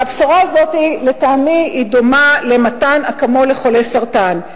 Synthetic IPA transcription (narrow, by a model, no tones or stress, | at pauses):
habsoʁaːzo̞tiletaːmiidomale̞matanakamo̞le̞χo̞lesaʁtan